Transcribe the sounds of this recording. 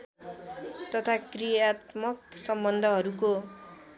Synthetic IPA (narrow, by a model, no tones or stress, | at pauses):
t̪ʌt̪ʰakrijat̪mʌksʌmbʌnd̪ʱʌɦʌɾuko